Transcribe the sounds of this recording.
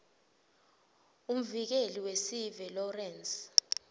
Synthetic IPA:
um̩vik̬eliwesivɛlɔrɛns

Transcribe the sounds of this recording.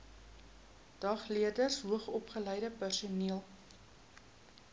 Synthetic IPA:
d̥ɐχliədərsɦuəχɔpχələjdəpærsuniəlˠ

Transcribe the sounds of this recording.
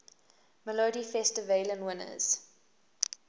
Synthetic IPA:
məloːdifɛstəvelə̃nwɪnə̰z̥

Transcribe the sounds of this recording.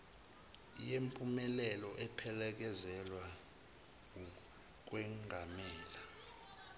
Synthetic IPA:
ijempʼumɛlɛlɔʔɛpʰɛlɛk̬ɛzɛlwa | u | k̬wɛŋʱamɛːla

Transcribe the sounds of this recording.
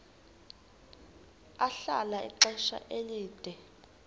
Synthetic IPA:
aɬa̰laḭǃɛʃa̰ʔeliːd̥ʱɛ

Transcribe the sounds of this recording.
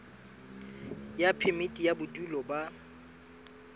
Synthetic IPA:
japʰɛmɪtʼijabʊdulɔba

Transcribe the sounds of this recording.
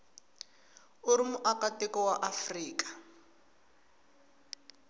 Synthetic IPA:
ʊɾimʊʔakatɛkɔwaʔafriːkḁ

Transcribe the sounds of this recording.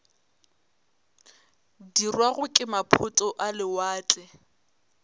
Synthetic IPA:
dirwaɣʊkʼɪmapʰʊtʼɔʔalɪwaːt͡ɬʼɛ

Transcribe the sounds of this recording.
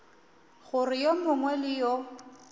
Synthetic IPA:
ɣʊrɪjomʊŋwɛlɪjɔ

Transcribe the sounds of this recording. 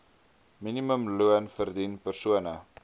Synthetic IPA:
miniməmluənfərdinpərsuənə

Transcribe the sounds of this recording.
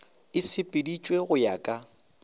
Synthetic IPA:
ɪsɪpʼɪdit͡ʃʼweɣʊjakʼa

